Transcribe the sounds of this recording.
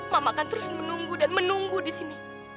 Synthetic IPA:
mamakant̪əɾʊsmənuŋɡudanmənuŋɡudisini

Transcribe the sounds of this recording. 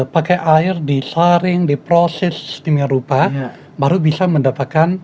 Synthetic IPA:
pakajʔaɪrdisaɾɪŋdipɾosɛst̪imɪrupa | baɾubisaməndapat̪̚kan

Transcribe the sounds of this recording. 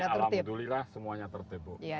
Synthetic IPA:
aaərlamdulilahsəmuaɲat̪ərt̪eboja

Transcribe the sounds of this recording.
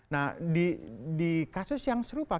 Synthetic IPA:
nahdidikasʊsjaŋsəɾupa

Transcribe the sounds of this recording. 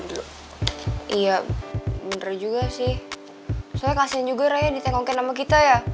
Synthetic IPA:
ilo | ijaməndrd͡ʒuɡasɪh | salakasiand͡ʒuɡaɾajadit̪aŋoŋkɛnamak̬it̪aja

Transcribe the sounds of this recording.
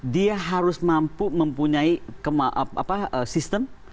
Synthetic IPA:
diaɦaɾʊsmampumə̃mpuɲaikəmaʔa̰paəsist̪əm

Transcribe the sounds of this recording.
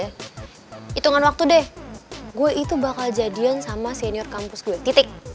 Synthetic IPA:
a | it̪uŋanwak̚t̪udɛhɡuaʔit̪ubakald͡ʒadiansamaseniɔrkampʊsɡuɛt̪it̪ɪk̚

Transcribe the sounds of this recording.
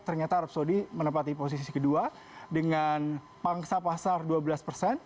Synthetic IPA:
t̪ərɲat̪aɾəp̚sodimənəpat̪ipos̬isisikədua | dəŋan | paŋsapasarduabəlaspərsɛn

